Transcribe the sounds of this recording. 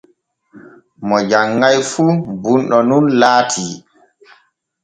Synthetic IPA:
mɔd͡ʒaŋːajfuːbunɗɔnunlaːtʰiː

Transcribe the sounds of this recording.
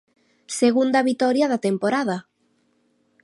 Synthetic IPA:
seɣund̪ɐβit̪ɔɾjaðat̪empoɾaðɐ

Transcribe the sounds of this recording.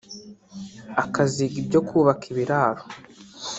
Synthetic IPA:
akaziɡibɟo̞kʰuːβakiβiɾaːɾo

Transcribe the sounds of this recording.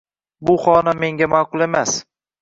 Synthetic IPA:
bʊχɒnamːe̞ŋɡʲamaːqʊlˠe̞mas

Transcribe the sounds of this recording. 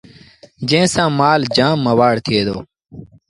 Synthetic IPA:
d͡ʒẽːsãːmaːld͡ʒãːmːəʋaːɽt̪ʰɪeːd̪oː

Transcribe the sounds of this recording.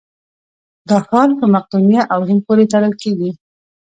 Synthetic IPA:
d̪ɑxɑɾpəmaq̚d̪unjaʔawɦɪmpoɾet̪aɾəlkeɡi

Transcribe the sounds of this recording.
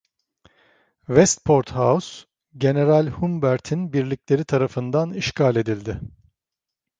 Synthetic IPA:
vɛst̪pʰo̞ɾt̪haus | ɟe̞ne̞ɾalʲhumbæɾt̪ʰinbiɾlʲiclʲe̞ɾit̪ʰaɾafɯnd̪aniʃkʰaːlʲe̞d̪ilʲd̪ɪ

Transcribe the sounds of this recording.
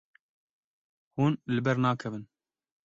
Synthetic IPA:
huːnlɨbɛɾnɑːkʰɛvɨn

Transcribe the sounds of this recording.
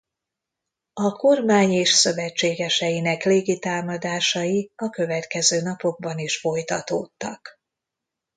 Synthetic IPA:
ɒko̞rmaːɲeːʃsø̞vɛt͡ʃːeːɡɛʃɛjinɛkleːɡit̪aːmɒd̪aːʃɒjiɒkø̞vɛt̪kɛzøːnɒpo̞ɡ̚bɒniʃfo̞jt̪ɒt̪oːt̪ːɒ̰k

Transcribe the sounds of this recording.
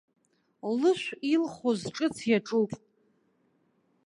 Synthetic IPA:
lɨʃʷilχozʈ͡ʂʼɨt͡sʰjaʈ͡ʂʼupʼ

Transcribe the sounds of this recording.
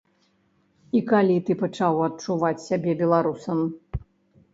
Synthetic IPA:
ikalʲit̪ɨpɐt͡ʂawɐt̪̚t͡ʂuvat͡sʲsʲabʲɛbʲɛlˠaɾusɐm

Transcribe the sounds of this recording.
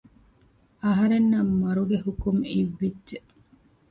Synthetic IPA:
ɐɦɐɾenːɐmːɐɾuɡehukumiʋːidʒeʔ

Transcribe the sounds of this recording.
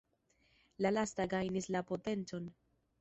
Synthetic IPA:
lalastaɡajnislapo̞te̞nt͡so̞n

